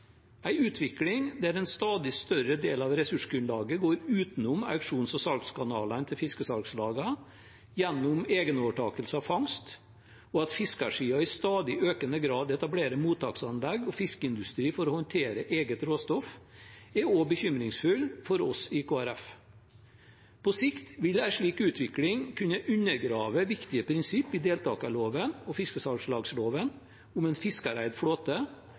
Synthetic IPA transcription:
æɪʉːt̪ʰʋɪklɪŋd̪æɾɛnst̪ɑːd̪ɪst̪œɾəd̪eːlɑʋɾɛsʉʂɡɾʉnlɑːɡəɡoːɾʉːt̪nʊmɑ̰ʉkʂuːnsɔsɑlkskʰɑnɑːlənt̪ʰɪlfɪskəsɑlkslɑːɡə | jɛnːʊmeːɡənoːʋəʈʰɑːkəlsəɑfɑŋst̪ | ɔɑt̪fɪskɑʂiːɑɪst̪ɑːd̪ɪʔøːkənəɡɾɑːd̪ɛt̪ɑbleːɾəmuːt̪ʰɑːksɑnlɛɡɔfɪskəɪnd̪ʉst̪ɾiːfɔɾɔhɔnt̪ʰeːɾəʔeːɡət̪ɾoːst̪ɔfɛoːbəçʏmɾɪŋsfʉlfɔɾɔsɪkʰoːæɾɛf | pʰɔsɪkt̪ʋɪlæɪʂɭiːkʉːt̪ʰʋɪklɪŋkʰʉnːəʔʉnəɾɡɾɑːʋəʋɪkt̪ɪəpʰɾɪnsɪpːɪd̪eːlt̪ʰɑ̰ːkɑloːʋənɔfɪskəsɑɡslɑːɡsloːʋən | ʊmɛnfɪskɑɾæɪd̪fɽoːt̪ə

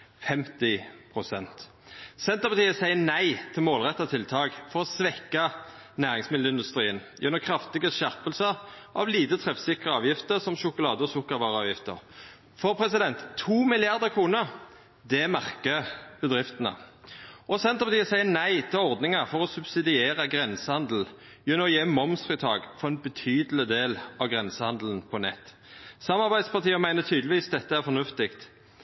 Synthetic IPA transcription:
fɛmt̪ɪpʰʁʊsɛnt̪ | sɛnt̪əʁpɑt̪ʰiːəsæɪənæɪt̪ʰɪlmoːlʁɛt̪ːɑt̪ʰɪlt̪ʰɑːɡfɔɾɔsʋɛkːɑ | næːʁɪŋsmɪd̪ləɪnd̪ʉst̪ɾiːənjʉ̰nːɔkʰʁɑft̪ɪɡəʃæʁpəlsə | ʔɑ̰ʋliːt̪ət̪ʰʁɛfsɪkʁəɑːʋjɪft̪əʁsɔmʃʊkʊlɑːd̪əɔsʊkəʋɑːʁɑːʋjɪft̪ə̰ʁ | fɔʁpʰʁɛsɪd̪ɛnt̪t̪ʰːuːmɪlɪɑʁd̪əʁkʰʁuːnəʁ | d̪ɛmæʁkəb̥əd̪ʁɪft̪ənə̰ | ʔɔsɛnt̪ʁəpʰɑt̪iːəsæɪənæɪt̪ʰɪlɔʁd̪nɪŋəfɔʁɔsʉbsɪd̪ɪeːʁəɡʁɛnsəhɑnd̪l̩ | jʉnːəɔjemɔmsfɪt̪ʰɑːɡfɔʁɛnbət̪ʰyːd̪əl̩ɪd̪eːlɑʋɡʁɛnsəhɑnd̪ln̩pʰɔnɛ̰t̪ː | sɑmːɑʁbæɪd̪spɑʁt̪iːəmæɪnət̪ʰyːd̪lɪʋiːsd̪ɛt̪ːəæʁfɔnʉft̪ɪkt̪

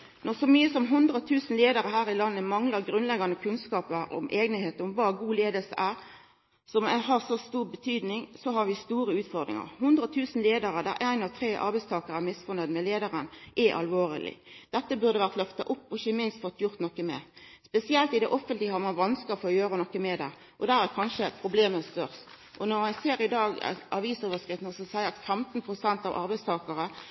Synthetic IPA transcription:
nɔʁsɔmyːəsɔmɦʊnd̪ɾəɔt̪ʰʉːsn̩leːd̪əɾəhæːɾɪlɑnːəmɑŋləɾɡɾʉnlɛɡɑnəkʰʉnskɑːpəɾɔ̰mʔeːɡnəheːt̪əɔmʋɑːɡuːleːd̪əlsəʔæːʁ | sɔmæhɑʁsɔst̪uːʁbət̪ʰyːd̪nɪŋsɔɦɑʋɪst̪uːɾəʉːt̪fɔʁd̪ʁɪ̰ŋə̰ɾhʊnd̪ɾəɔt̪ʰʉːsn̩leːd̪əɾəd̪æɾʔæɪnɑʋt̪ʰɾeːʔɑ̰ɾbæɪst̪ʰɑːkəʁɾæmɪsfɔned̪mɛleːd̪əʁənʔɛʔɑ̰lʋoːɾə̰lɪ̰d̪̥ɛt̪ːəbʉʁd̪əʋæʁt̪lœft̪ɑʔʊpːɔɪçəmɪnst̪fɔt̪ːjʊɾt̪nɔkːəmɛ̰spɛsɪɛlt̪ɪd̪ɛʔɔfənt̪lɪəhɑʁmɑnʋɑnskəfɔɔjøːɾənɔkːəmɛd̪ɛ̰ | ʔɔd̪æɾæɾkʰɑnʃəpʰɾʊbleːməst̪œʁs | ʔɔnɔɾmɛnseːɾɪd̪ɑːɡ̰ɑʋiːsoːʋəskʁɪft̪nəsɔsæɪəɾɑt̪fɛmt̪npʰʁʊsɛnt̪ɑʋʔɑ̰ɾbæɪst̪ʰɑːkəɾə

